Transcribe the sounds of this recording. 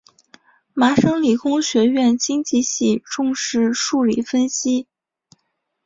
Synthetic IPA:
ma˧˥ʂɤ˥ŋli˨˩kʊ˥ŋɕɥɛ˧˥ɥɛ˥˩nt͡ɕi˥ŋt͡ɕi˥˧ɕi˥˧ʈ͡ʂʊ˥˧ŋʂɻ̩˥˧ʂu˥˧li˥˩fə˥nɕi˥

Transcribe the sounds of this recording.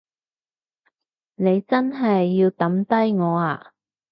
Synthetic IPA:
ne˨˧jt͡sɐ˥nɦɐ˨jːiː˧wt̪ɐ˨˥mt̪ɐ˥jŋɔː˨˧aː˨˧

